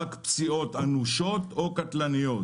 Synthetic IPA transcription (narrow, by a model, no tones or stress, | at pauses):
akpsio̞t̪anuʃot̪okat̪lanijo